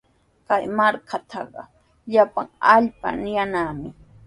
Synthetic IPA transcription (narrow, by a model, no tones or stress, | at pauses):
kajmaɾkʰat̪ʰɑɢɑ̰ | ʎapaŋaʎpa̰nɪjanaːmɪ